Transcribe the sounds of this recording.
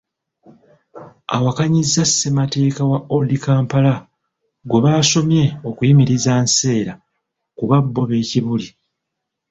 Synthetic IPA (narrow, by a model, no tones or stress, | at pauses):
a̰wakaɲizːasːe̞mate̞ːkawaʔodikaːmpala | ɡwe̞βaːso̞mje̞o̞kujimiɾizaːnse̞ːɾa | kuβabːo̞βe̞ːciβuli